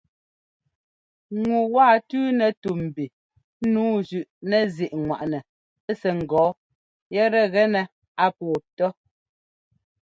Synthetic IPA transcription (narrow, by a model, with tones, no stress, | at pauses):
ŋu˨waː˦˨tʉː˦nɛ˨tu˨m̩˨bi˨˦ | nuː˨˦d͡ʒʉ˨ʔnɛ˨zi˨ʔŋwa̰˨ʔnɛ˨ | ɛ˦sɛ˨ŋ̩˨ɡɔː˨˦ | jɛ˦ɾɛ˦ɣɛ˦nɛ˨ | a˦pɔː˨tɔ˦